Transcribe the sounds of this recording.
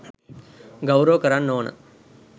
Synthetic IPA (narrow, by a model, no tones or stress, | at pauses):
ɡɐwɾɐʋkɐɾaːnnoːɳɐ̰